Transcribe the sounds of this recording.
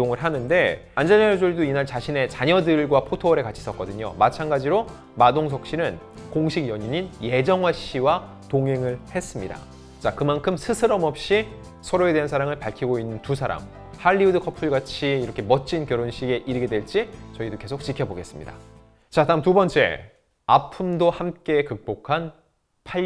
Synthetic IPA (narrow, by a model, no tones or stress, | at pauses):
oŋɯɭɦanɯnde̞and͡ʑeɲad͡ʑoɭidoinaɭt͡ɕaɕʰine̞t͡ɕaɲʌdɯɭɡwapʰotʰoʌɾe̞kat͡ɕʰi̥s͈ʌk͈ʌdɯɲo̰mat͡ɕʰanɡad͡ʑiɾo | madoŋsʰʌk̚ɕ͈inɯn | koŋɕʰiɡjʌɲiɲinje̞d͡ʑʌŋwaɕiwa | toŋɦe̞ŋɯɭhe̞s͈ɯmɲida̰ | t͡ɕakɯmankʰɯmsʰɯsʰɯɾʌmʌp̚ɕ͈i | sʰʌɾoe̞de̞ɦansʰaɾaŋɯɭpaɭkʰiɡoinːɯntus̬ʰaɾa̰m | haʎːiudɯkʰʌpʰuɭɡat͡ɕʰiːɾʌkʰe̞mʌt͡ɕ͈inkjʌɾonɕʰiɡe̞ʔiɾɯɡe̞dwe̞ɭt͡ɕ͈it͡ɕʌidoke̞sʰok̚t͡ɕ͈ikʰjʌboɡe̞s͈ɯmɲḭda̰ | t͡ɕataɯmtubʌnt͡ɕ͈e̞̰ | apʰumdohamk͈e̞kɯk̚p͈okʰan | pʰa